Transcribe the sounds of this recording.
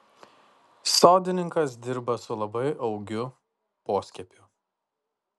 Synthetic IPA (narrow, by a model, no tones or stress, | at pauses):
soˑʊd̪ʲɪnʲɪŋkɐs̬d̪ʲɪɾbɐsʊlˠɐbɐɪʔɐʊɡʲʊ | poːsʲkʲɛpʲʊ